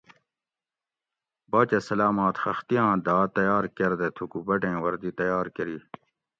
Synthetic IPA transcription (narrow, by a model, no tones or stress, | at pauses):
baːt͡ɕɐsɐlaːmaːt̪xɐxt̪ijãːd̪aːt̪ɐjaːɾkɐɾd̪et̪ʰukubɐʈẽːwɐɾd̪it̪ɐjaːɾkɐɾiː